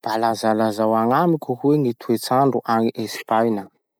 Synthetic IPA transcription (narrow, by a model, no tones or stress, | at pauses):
b̥alazalazawaŋamikʲuhueŋit̪ʰuet͡saɳɖ͡ʐuʔaŋiʔespajnə